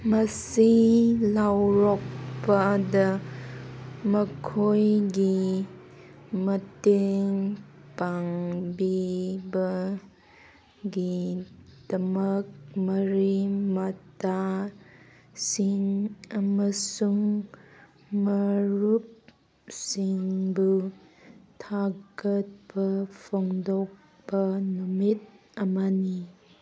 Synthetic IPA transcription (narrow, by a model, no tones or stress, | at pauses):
mɐsilawɾɔk̚pɐdɐ | mɐkʰojɡi | mɐteŋpaŋbibɐ | ɡi | d̥ɐmək̚mɐɾimɐta | siŋɐmɐsuŋ | mɐɾup̚ | siŋbu | tʰaɡət̚bɐpʰoŋdɔk̚ | bɐnumit̚ | ɐmani